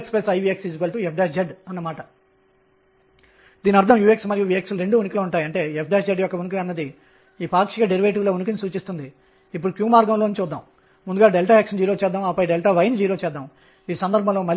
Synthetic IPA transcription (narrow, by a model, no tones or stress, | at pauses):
kspesɐjʋieksid͡ʒukɐlʈ̪uepʰɖeaːsd͡ʒɐɖɐnːɐmaːʈɐ | d̪̥iːniɐɾd̪ʱʰɐmjuːeksmɐɾjuʋiːeksluɾe̞ɳɖuːunikilɐuɳʈaːjɐɳʈe̞ːepʰɖeːsd͡ʒeɖjɔkːɐʋunuk̬iɐnːɐd̪i | iːpaːkʂikɐɖeɾiʋeʈ̬iʋlounuk̬inisuːt͡ʃist̪und̪iː | pːuɽukjuːmaːɾɡɐmloːnt͡ʃuːd̪ːa̰ːm | mund̪uɡaːɖelʈaeːkʂɐnd͡ʒiːɾo̞ːt͡ʃɛːd̪ːaːmaːpːɐjɖelʈaːʋɐjnd͡ʒiːɾo̞ːt͡ʃɛːd̪ːaːm | iːsɐnd̪ɐɾbʱɐ̃lo̞ːmɐɾ